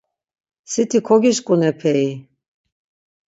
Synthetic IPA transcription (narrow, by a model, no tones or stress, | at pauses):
sit̪ʰikʰɔɡiʃkʼunɛpʰɛi